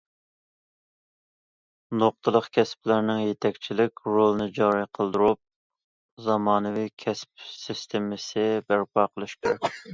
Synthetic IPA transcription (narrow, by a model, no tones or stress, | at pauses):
noq̚t̪ʰəlˠəqkʲʰɛsplæɾnɪŋjet̪ʰɛkʲt͡ʃʰilɪkʲɾolˠnɨd͡ʒɑɾijqʰəlˠd̪uɾup̚ | zɑmɑːnɨvikʲʰɛspsist̪ʰemɪsɪbæɾpɑːqʰəlˠɨʃkʲʰeɾɛ̰kʲ